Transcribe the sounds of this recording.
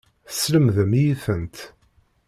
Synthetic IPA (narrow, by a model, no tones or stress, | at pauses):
sləmðəmjiθənt̪